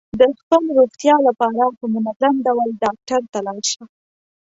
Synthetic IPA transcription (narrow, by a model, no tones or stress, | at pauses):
d̪əxpəlɾoxt̪jɑlapɑɾahəmunad̪lanɖawalɖɑk̚ʈaɾt̪alɑwʃa